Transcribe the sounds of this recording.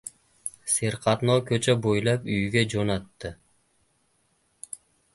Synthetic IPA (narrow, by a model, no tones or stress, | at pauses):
seɾqʰɑt̪noːkʰøt͡ʃøbojlˠɑpyjɡʲed͡ʒonɑt̪ːɨ